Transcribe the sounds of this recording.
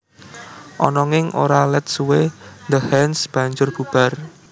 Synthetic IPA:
ʔɔ̰nɔŋɪŋʔo̰ɾalɛt̪̚suwend̪əhɛnsb̥a̤ɲd͡ʒʊrb̥ub̥a̤r

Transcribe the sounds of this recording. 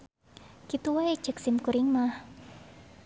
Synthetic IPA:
kit̪uwae̥ʒ̥ə̤k̚simkuɾɪŋmah

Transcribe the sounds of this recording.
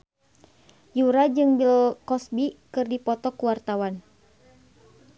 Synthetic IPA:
juɾad͡ʒɨŋbilkɔsbikɨrdipɔt̪ɔkuwart̪awan

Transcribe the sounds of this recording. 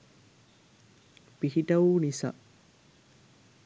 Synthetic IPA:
piɦiʈɐunisa̰

